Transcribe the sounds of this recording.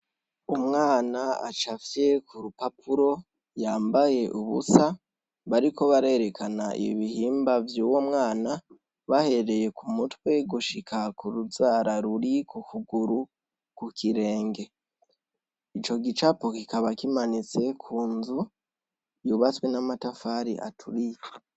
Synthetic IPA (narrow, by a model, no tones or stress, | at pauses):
umŋaːnaa̰t͡ʃafje̞kʰuɾupapʰuɾo̞ | jaːmbaje̞ʔuβusa | βaɾiko̞βaɾaeɾe̞kʰanaḭβḭβihiːmbavjuwomŋaːna | βahe̞ɾe̞je̞kʰumutwe̞ɡuʃikʰakuɾuzaːɾaɾuɾikukuɡuɾu | kukʰiɾe̞ːŋɡe̞ | it͡ʃo̞ɡit͡ʃapo̞kikaβakimanit͡se̞kʰuːnzu | juβat͡swe̞namatafaɾḭʔa̰tʰuɾi